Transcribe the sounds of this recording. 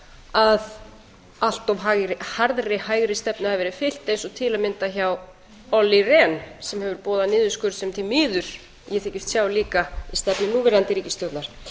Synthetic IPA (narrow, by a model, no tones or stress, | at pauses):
að | al̥t̪ɔvɦahaɾðɾɪhaːjɣɾɪst̪ɛpnʏhavvɛːɾɪ̥fɪl̥t̪ːejnsɔt̪ʰɪlamɪnt̪açaw | ɔlːirɛnsɛmhɛvʏɾpɔːðanɪːðʏskʏɾsɛmt̪ʰimɪːðʏɾ̥ | jɛθɛcɪst̪sjaːwliːkaist̪ɛpnɪnuːvɛɾɪðant̪ɪɾiːcɪst̪œwt̪naɾ̥